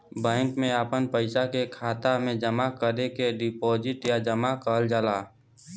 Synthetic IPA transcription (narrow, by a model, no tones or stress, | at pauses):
bɛ̃ːŋkmẽapənpəɪsakekʰaːt̪amẽd͡ʒəmakəɾekeɖɪpoːd͡ʒɪʈjad͡ʒəmakəld͡ʒalaː